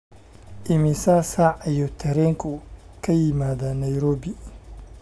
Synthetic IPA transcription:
ʔɪmɪsasaːʕijɔt̪ʰɛɾɛŋkʰu | kʰɐjɪmaːd̪anɐjɾoːbi

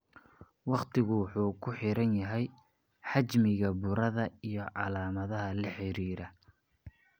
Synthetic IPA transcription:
wɑqt̪ʰɪɣʊwʊħuːkʰʊħɪɾɐnjɐɦɛj | ħɑt͡ʃmɪɣɐbʊɾɐðɐijɞʕɑlaːmɐðɐɦɐlɐħɪɾiːɾɐ

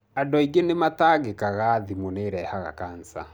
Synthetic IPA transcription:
adɔiɡenemataːɣekaɣaðimoneɾɛːhaɣa̰kaːnsa̰

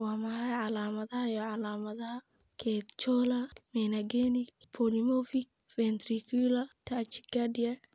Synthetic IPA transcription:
waːmɐhajʕalaːmɐðɐhɐjɔʕalaːmɐðɐhɐ | kʰɛt̪t͡ʃɔlɐmɛnɐɡɛnipʰɔlimɔfik̚fɛnt̪ɾikʰulɐt̪ʰat͡ʃi̥ɡadiɐ

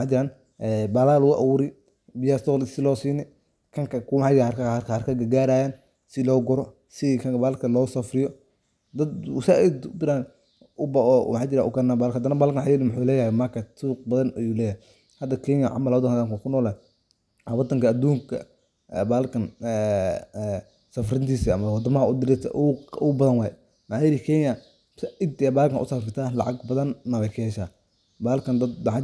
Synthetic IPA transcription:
mħaːd͡ʒɪɾaːn | ɛbɐlaːlʊʔɐ̰wʊɾɪ | bɪjaːst̪ɔːlɪsɪlɔːsiːnɪ | kʰɐŋkɐkʰʊmħad͡ʒɪɾakkhɐrkʰɐɡɐɡaːɾaːjaːn | sɪlɔːɡɔɾɔ | sɪkʰɐbaːllkʰɐnlɔːsɐfɾɪjɔ | d̪ɐd̪w̰saɪd̪ʊd̪ɪɾaːn | ʔʊbaɔ̰mħaːd͡ʒɪɾaːʔʊkɐnaːbaːlkhɐd̪ɐnɐbalkɐnħajɛlɪmʊħuːlɛːjɐhɛmɐkʰɐt̪uːq̚bɐðɐnɐjuːlɛːjhɛ | hɐd̪ɐkʰɛɲɐʕɑ̰mɐlwɑd̪ɐŋkhad̪ɐŋkakʰʊnɔːlɛ | wɑd̪ɐŋkɐːd̪uːŋkʰɐ̰ | ɛːbaːlkʰɐnɛ | sɐfrɪnt̪ʰiːsiɐmɐwɑd̪ɐmɐɦɐʊd̪ɪɾɪt̪ʰʔʊʊbɐðɐnwaː | mɐħaːjɪɾɪkʰɛɲɐ | saʔɪd̪ɛːbaːlkɐnʔʊ̰sɐfrɪt̪ʰaːlɑ̰ʕɑɡbɐðɐnːɐβɛkʰɛːʃaː | baːlkɐnd̪ɐd̪mɑħa

